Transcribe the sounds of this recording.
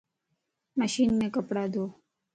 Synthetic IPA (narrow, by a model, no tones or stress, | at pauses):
məʃiːnːẽkəpɽad̪o